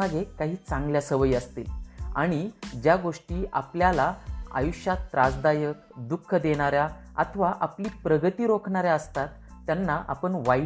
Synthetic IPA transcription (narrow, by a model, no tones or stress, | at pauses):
aɡekaɦiːt͡sãŋɡljasəʋəjəst̪ḛa̰ɽ̃id͡ʑjaɡoʂʈiːʔa̰pljalaa̰juɕjat̪ːɾasd̪ajəkd̪ukʰːəd̪eɽ̃aɾjaa̰t̪ʰəʋaʔapliːpɾəɡət̪iːɾokʰɳ̃aɾjaəst̪at̪ː | janːaʔa̰pəɳʋa